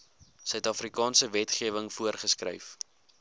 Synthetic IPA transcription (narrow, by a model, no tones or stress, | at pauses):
sœɥtɑfrikɑːnsəvɛtχiəvəŋfuərχəskrœ̰jf